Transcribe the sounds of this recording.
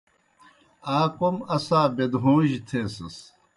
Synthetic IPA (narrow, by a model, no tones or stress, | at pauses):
aːkomɐsaːbed̪ɦõːʑit̪ʰẽːsɐs